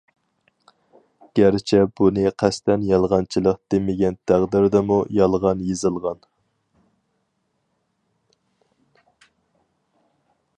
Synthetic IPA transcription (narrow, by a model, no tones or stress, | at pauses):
ɡ̥ʲæɾɪt͡ʃʰɛbunɨqʰæst̪ɛnjɑlˠʁɑnt͡ʃʰilˠəq̚d̪̥emɪɡʲɛnt̪ʰæʁd̪ɪɾd̪ɛmujɑlˠʁɑnjezɨlˠʁɑn